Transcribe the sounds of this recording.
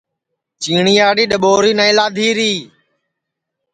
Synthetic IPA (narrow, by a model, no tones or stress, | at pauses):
t͡ʃiːɳiːaːiːɗəɓoːɾiːnaːɪlaːd̪ʱiːɾiː